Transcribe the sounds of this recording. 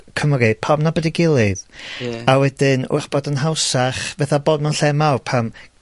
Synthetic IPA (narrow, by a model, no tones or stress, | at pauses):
kʰəmɔɡe̥pʰabnabədiɡɪlˠɨðawɛdɪnʊ̰rb̥ɔdənɦawsaχvɛθaboːdmanɬɛmalpʰam